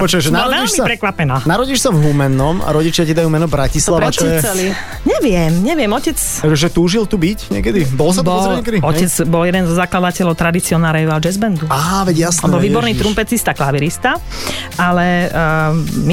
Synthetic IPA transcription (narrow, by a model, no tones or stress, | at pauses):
ɔt͡ʃʋɛʒnaɾʋɛiʃmisapɾɛkʋapɛnaːnaɾɔɟiʃsavɦumɛnːɔma̰ɾɔɟit͡ʃɪacid̪ajuːmɛnɔbɾacislaat͡ʃɔɛɛli | ɲɛʋɪɛmɲɛʋɪɛmɔcɛt͡s | ɛʒɛt̪uːʒilt̪ubicɲɪɛ̰kɛd̪ibɔlɔs̬at̪bɔɔɾɲɛkɛd̪iɔcɛd͡zbɔljɛd̪ɛnzɔzaklad̪acɛʎɔʊt̪ɾad̪it͡siɔnaːɾɛjad͡ʒɛzbɛnd̪uaːʋɛɟjasnɛɔlʋiːbɔɾniːt̪ɾumpɛt͡sist̪aklaʋiɾist̪a | alɛ | mi